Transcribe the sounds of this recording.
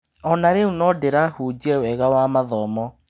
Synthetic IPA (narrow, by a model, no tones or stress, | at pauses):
ɔnaɾeunɔdeɾahuːd͡ʒɛwɛɣawamaðɔmɔ